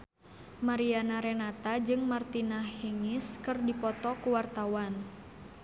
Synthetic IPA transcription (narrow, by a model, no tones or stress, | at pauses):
maɾianaɾɛnat̪ad͡ʒɨŋmart̪inahiŋiskɨrdipɔt̪ɔkuwart̪awan